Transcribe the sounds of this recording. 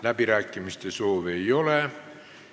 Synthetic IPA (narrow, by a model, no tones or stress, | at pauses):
læpirækːimist̪esoːʋeioleˑ